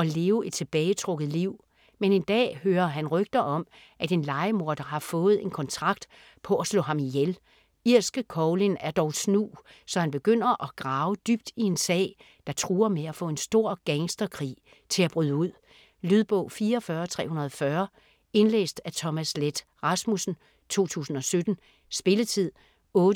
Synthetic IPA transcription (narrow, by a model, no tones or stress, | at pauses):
ɒ̽le̝ːʊe̝d̥̚t͡sʰe̝b̥ɛːɪət͡sʰʁɔ̽ɡ̥ð̩ˠliʊ̰ | mene̝nd̥ɛ̰ːhøːɐɦænʁœɡ̥̚d̥ɐʔɒ̽m | ʔæd̥e̝nlɑ̈ɪəmo̝ɐd̥ɐɦɑ̈fɔ̽ːð̩ˠe̝nkʰɒ̽nt͡sʰʁɑ̈ɡ̥d̥ | pʰɒ̽æslɔ̰ːhɑ̈mijel | iɐ̰sɡ̥əkʰɒʊlinæɐd̥ɒʊsnṵːsɒ̽hænb̥e̝ɡ̥øn̰ɐʔɒ̽ɡ̥ʁɑ̈ʊəd̥yb̥̚d̥ie̝nsɛ̰ɪ | d̥ɑ̈t͡sʰʁuːɐmeæfɔ̰̽ːe̝nsd̥o̝ɐ̰ɡ̥eŋsd̥ɐkʰʁḭː | t͡sʰe̝læb̥ʁyðˠəuð̰ˠ | lyðˠb̥ɔ̽ʊ̰fiːɐːfɶːɐt͡sʰʁɛ̰ːhunɐð̞ˠfɶɐ | e̝nlḛːsd̥æt͡sʰɒ̽mæsled̥ | ʁɑ̈smusn̩ | t͡sʰo̝̰ːt͡sʰṵːsn̩ɒ̽sød̥n̩ | sb̥e̝lət͡sʰið̰ˠ | ɔ̽ːd